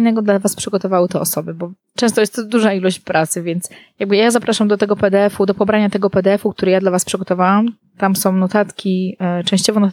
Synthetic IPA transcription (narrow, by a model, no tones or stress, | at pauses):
jnɛɡɔd̪lavaspʂɘɡɔt̪ɔvawɘt̪ɛɔsɔbɘbɔ | t͡ʂɛ̃st̪ɔjɛst̪ːd̪uʐailɔɕt͡ɕpɾʔat̪sɘvʲjɛnt̪sjaɡ̚bɘjazapɾaʂamd̪ɔt̪ɛɡɔpɛd̪ɛɛfud̪ɔpɔbɾaɲat̪ɛɡɔpɛd̪ɛɛfuk̚t̪uɾɛjad̪lavaspʂɘɡɔt̪ɔvawam | t̪amsɔ̃w̃nɔt̪at̪kʲit͡ʂɛ̃ɕt͡ɕɔvɔnɔt̪